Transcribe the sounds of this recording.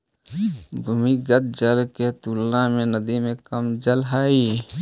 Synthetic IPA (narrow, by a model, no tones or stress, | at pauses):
bʱumiɡət̪̚d͡ʒəlket̪uːlnamẽnəd̪imẽkəmd͡ʒəlɦai